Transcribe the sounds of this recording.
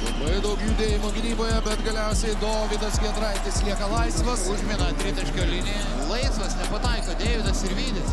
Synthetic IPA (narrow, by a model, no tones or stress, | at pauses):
lˠɐbɐɪd̪ɐʊkjuːd̪ʲeːjɪmoːɡʲɪnʲiːboːjɛbʲɛt̪ɡɐlʲɛʊsʲɛɪd̪oːʋʲɪd̪ɐsʋʲiɛnd̪ɾɐɪt̪ʲɪslʲiɛkɐlˠɐɪsʋɐsʊʒʲmʲinɐt̪ʲɾʲɪt̪ʲɛʃʲkʲoːlʲɪnʲɪ | lˠɐɪsʋɐsnʲɛpɐt̪ɐɪkoːd̪ʲeːʋʲɪd̪ɐsɪɾʋʲiːd̪ʲɪs